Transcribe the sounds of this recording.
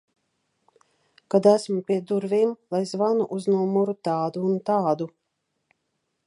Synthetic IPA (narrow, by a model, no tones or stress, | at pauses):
kad̪æsmupʲiɛd̪uɾvimlˠajzvanuʔuznumuɾut̪aːd̪uːnt̪aːd̪u